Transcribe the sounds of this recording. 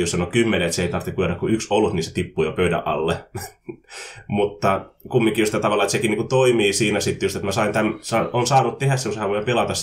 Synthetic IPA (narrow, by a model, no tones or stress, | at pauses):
josɑnokymːeneet̪seeˑit̪ɑrt̪ːikujerɑkkuyksolːut̪niːnse̥t̪ipːuːjopøydæ̰ʔʔɑ̰lːe | mut̪ːɑkumːiŋkijust̪ːæt̪ɑʋɑlɑet̪sekiniːkut̪oimiːsiːnæsit̪ːjust̪et̪mæsɑint̪æmsɑʔonsɑːnut̪t̪ehæsːeushæʋoimpelɑt̪ɑs